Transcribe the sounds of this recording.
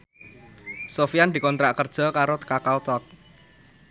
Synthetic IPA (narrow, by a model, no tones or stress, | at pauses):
sofiand̪̥i̤kɔnt̪ɾaʔkərd̥ʒ̥ɔ̤kaɾokakawt̪ɔk̚